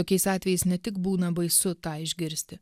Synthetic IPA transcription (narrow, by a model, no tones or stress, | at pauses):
oːkʲɛɪsɑːt̪ʲʋʲɛjɛɪsnʲɛt̪ʲɪkbuːnɐbɐɪsʊt̪ɑːɪʒʲɡʲɪɾʲsʲt̪ʲɪ